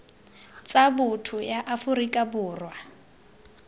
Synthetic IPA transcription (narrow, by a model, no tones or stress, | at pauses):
t͡sʼabʊtʰʊjaʔafʊrikʼabʊːrwa